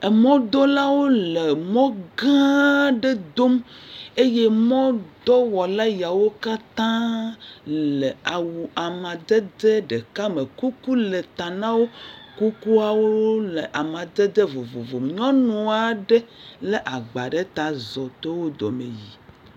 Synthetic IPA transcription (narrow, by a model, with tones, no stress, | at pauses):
ɛ˨mɔ̃˦d̪ɔ˦la˦wo˦le˨mɔ̃˦ɡã˦ɖe˦d̪o˦me˦je˦mɔ̃˦d̪ɔ˦wɔ˨la˦ja˨wo˦ka˦t̪ã˦ | le˨a˨wu˨a˨mã˨d̪ɛ˦d̪e˦ɖe˨ka˦me˨ku˦ku˦le˨t̪a˨nã˦wo˦ku˦ku˦a˨wo˦le˨ʔa˨mã˨d̪e˦d̪e˦vo˨vo˨vo˨m˨ɲɔ̃˦nũ˨a˨ɖe˦le˨ʔa˨ɡ͡ba˨ɖe˦t̪a˨zɔ˨t̪e˦wo˦d̪ɔ̰˨mḛ˨ji˨